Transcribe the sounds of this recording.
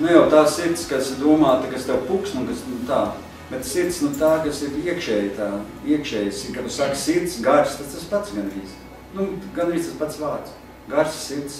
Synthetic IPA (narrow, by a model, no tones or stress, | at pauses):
nujawt̪aːssiɾt̪skasd̪uɔmaːt̪ɐkast̪ɛwpuksnunkasnut̪aː | bet̪siɾt̪snut̪aːkasiɾiɛkʃɛːjt̪aː | iɛkʃɛːjsikat̪usakssiɾt̪sɡaɾsst̪ad̪t̪aspat̪sɡanɾiːs | nuɡanɾiːst̪aspat̪sʋaːɾt̪s | ɡaɾssiɾt̪s